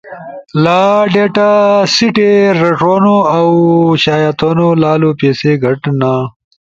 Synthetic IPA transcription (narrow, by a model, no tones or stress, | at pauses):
laɖeʈasiʈeɾɐʂonoawɕaːjat̪onolaːlopeːseɡɐʈna